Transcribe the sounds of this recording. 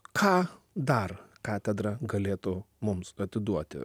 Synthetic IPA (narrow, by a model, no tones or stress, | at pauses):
kʰɑː | d̪ɐrkɑːt̪ʲɛd̪ɾɐɡɐlʲeːt̪ʊ | mʊmsɐt̪ʲɪd̪uɔt̪ʲɪ̰